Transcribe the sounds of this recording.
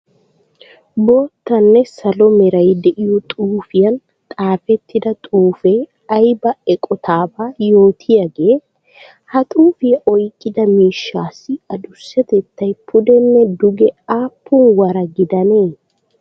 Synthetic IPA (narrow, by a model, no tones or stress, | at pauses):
bo̞ːt̪ːɐnːɛsɐlɔmɛɾɐjd̪ɛʔɪjɔt̪ʼuːfɪjɐn | t̪ʼaːfɛt̪ːɪd̪ɐt̪ʼuːfe | ɐjbɐɛkʼɔt̪ʰaːbaːjo̞ːt̪ʰɪjɐɡeː | hɐt̪ʼuːfɪjɐʔɔjkʼːɪd̪ɐmiːʃːaːsːɪɐd̪ʊsːɛt̪ɛt̪ːɐjpʰʊd̪ɛnːɛd̪ʊɡɛaːpːʊnwɐɾɐɡɪd̪ɐneː